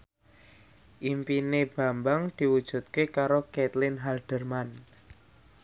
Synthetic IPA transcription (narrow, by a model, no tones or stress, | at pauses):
ʔimpineb̥ä̤mbaŋd̪̥i̤wud̥ʒ̥ṳt̪̚kekaɾokɛt̪lɪnɦalɖ̥ərman